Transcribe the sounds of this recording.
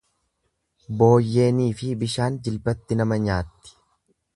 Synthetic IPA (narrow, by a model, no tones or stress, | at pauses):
bo̞ːjːe̞ːniːfɪbɪʃaːnd͡ʒɪlbɐt̪ːɪnɐmɐɲaːt̪ːɪ̥